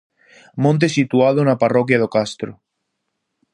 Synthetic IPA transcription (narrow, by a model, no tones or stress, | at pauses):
mõnt̪̬esit̪uað̞onaparokjað̞okast̪ɾo